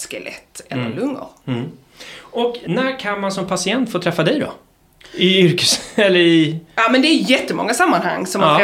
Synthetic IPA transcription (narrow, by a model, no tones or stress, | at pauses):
skɛlʔɛ̰t̪ːɛ̰lːə̰lɵŋːə̰ɾ | ɔknæɾkʰanmansɔmpʰasɪɛnt̪foːt̪ʰɾɛfːad̪ɛjd̪ɔ̰ | ɪʏɾkə̥sɛlːəɾɪɑmɛnd̪ɛːjɛt̪ːəmɔ̰ŋːasamːanha̰ŋːsɔmː